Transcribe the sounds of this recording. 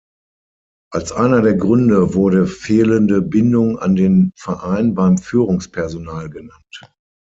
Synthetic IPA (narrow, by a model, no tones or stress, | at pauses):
ʔalsʔaɪnɐdeːɐɡʁʏndəvʊɐɾəfeːləndəbɪndʊŋa̰ndeːnfɛɐʔaɪnbaɪmfyːʁʊŋspʰɛɐzonaːlɡənant